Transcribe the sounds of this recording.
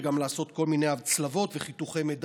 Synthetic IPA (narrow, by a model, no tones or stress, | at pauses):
ɡamlaːso̞t̪ko̞lmine̞javt͡slavo̞t̪veχit̪uχejmed